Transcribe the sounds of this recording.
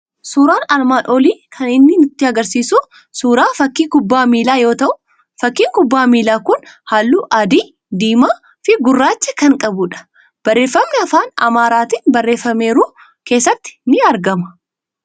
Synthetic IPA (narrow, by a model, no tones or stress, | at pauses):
suːɾaːnɐlmaːnʔɔliːkʰɐnɪnːɪnʊt̪ːɪɐɡɐɾsiːsuː | suːɾaːfɐkːiːkʊbːaːmiːlaːjo̞ːt̪ɐʔʊ | fɐkːiːŋkʊbːaːmiːlaːkʊnhaːlːuːʔɐd̪iː | d̪iːmaː | fɪɡʊrːaːt͡ʃːɛkɐŋkʼɐbʊᶑɐ̥ | b̥ɐrːe̞ːfːɐmːɛɐfaːnɐ̰maːɾaːt̪iːnbɐrːe̞ːfːɐme̞ːɾuː | ke̞ːsːɐt̪ːɪ̥nɪɐɾɡɐmɐ̥